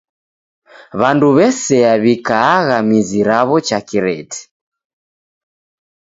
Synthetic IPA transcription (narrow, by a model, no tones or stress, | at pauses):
βanduβɛsɛaβikaːɣamiziɾaβɔt͡ʃakiɾɛ̰tɛ̥